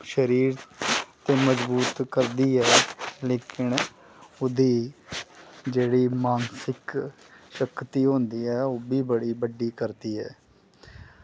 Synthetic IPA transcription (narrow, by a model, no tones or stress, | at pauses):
ʃəɾiːɾt̪eːməzbuːt̪kəɾd̪iːɛːleːkɪn | ʊd̪iː | d͡ʒeːɽiːmaːnsɪk | ʃəkt̪iːɦõːnd̪iːɛːoːbiːbəɽiːbəɖiːkəɾd̪iːɦɛ̰ː